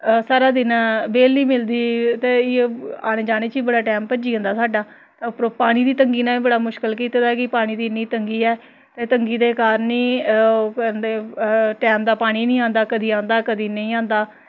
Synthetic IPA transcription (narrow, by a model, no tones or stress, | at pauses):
saːɾaːd̪ɪnãːbeːliːmɪld̪iːt̪eːɪeaːnẽːd͡ʒaːneːt͡ʃiːbəɽaːʈɛːmpəd͡ʒiːɦə̃nd̪aːsaːɖaː | t̪ãːpɾopaːɽ̃iːd̪iːt̪əŋɡiːnãːiːbəɽaːmʊʃkəlkiːt̪ːd̪akɪpaːɽ̃ĩːd̪iːnĩːt̪əŋɡiːɛː | t̪eːt̪əŋɡiːd̪eːkaːɾnĩː | nd̪eːʈɛːmd̪aːpaːɽ̃iːnĩːãːnd̪aːkəd̪iːãːnd̪aːkəd̪iːnə̃ĩːãːnd̪aː